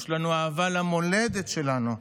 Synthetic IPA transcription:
ʃlanuaːvalamo̞led̪etʃe̞lanu

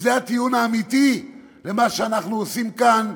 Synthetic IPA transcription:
zeat̪ijunaːmit̪i | le̞maʃeanaχnuosimkan

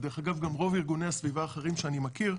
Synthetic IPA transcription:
d̪eʁeχaɡavɡamʁo̞viʁɡuneasvivaːχeʁimʃeanimakiʁ

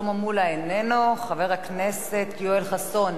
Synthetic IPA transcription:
omamulaenenoχave̞ʁhaknese̞t̪joelχaso̞n

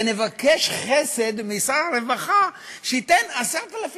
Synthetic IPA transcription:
ne̞vakeʃχese̞d̪misaʁaɾevaχaʃeit̪enaseʁt̪alaf

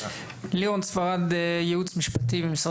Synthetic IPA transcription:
liʁɔnt͡sfaʁadjɛut͡smiʃpatibimisʁ

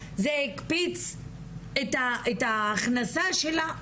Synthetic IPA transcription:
zeikpit͡s | et̪aet̪aːχnasaʃela

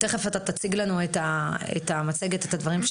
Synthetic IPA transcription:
t̪e̞χefat̪at̪at͡siɡlanuetaḛtamat͡seɡetetadvaʁimʃ

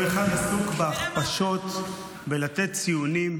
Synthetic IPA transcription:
eχadasukbeaχpaʃo̞t̪ | belat̪et̪̚t͡sijunim

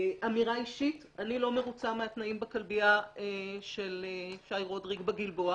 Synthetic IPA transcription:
ʔamiʁaiʃit | anilo̞me̞ʁut͡sameat̪naimbekalbiaeʃeleʃajʁodʁiɡbeɡilboa

